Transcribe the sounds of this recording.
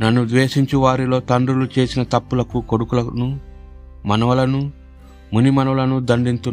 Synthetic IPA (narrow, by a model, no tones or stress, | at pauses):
nɐnːud̪ʋeːʂiɲt͡ʃiʋaːɾilo̞ːt̪ɐɳɖɾulut͡ʃe̞ːsinɐt̪ɐpːulɐkuko̞ɽukulɐnu | mɐnɐʋɐlɐnu | munimɐnɐlɐnud̪ɐɳɖint̪u